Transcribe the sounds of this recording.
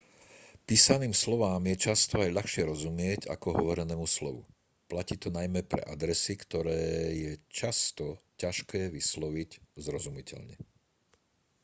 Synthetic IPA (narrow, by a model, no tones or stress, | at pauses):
piːsaniːmslɔʋaːmjɛt͡ʃast̪ɔajʎaxʃɪɛɾɔzumɪɛɟa̰kɔɦɔʋɔɾɛnɛːmuslɔ̰ʋṵ | placiːt̪ɔnajmɛpɾɛ̰ʔad̪ɾɛsikt̪ɔɾɛːjɛt͡ʃast̪ɔcaʃkɛːʋislɔʋiɟzɾɔzumicʰɛ̰ʎɲɛ